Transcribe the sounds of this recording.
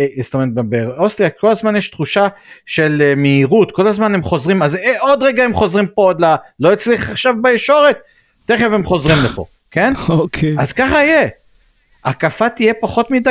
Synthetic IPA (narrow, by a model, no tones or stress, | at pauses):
st̪omeebeostʁijakʰo̞lazmanjeʃt̪χuʃaʃe̞lmeiʁutko̞lazmane̞mχo̞zʁimazeod̪ʁeɡaemχo̞zʁimpood̪lalo̞it͡sliχaχʃavbaeʃo̞ʁet̚ː | eχevemχo̞zʁimlepo̞̰ | ke̞nokʰeazkaχaije | akafat̪ije̞paχo̞t̪mid̪a